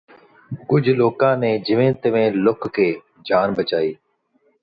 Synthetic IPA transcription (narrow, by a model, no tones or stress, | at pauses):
kʊd͡ʒʱloːkãːnẽːd͡ʒɪʋẽːnt̪əʋẽːlʊkkeː | d͡ʒʱaːnbət͡ʃaːiː